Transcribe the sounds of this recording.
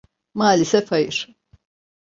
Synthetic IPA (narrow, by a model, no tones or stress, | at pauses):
maːlʲisɛfajɯɾ̥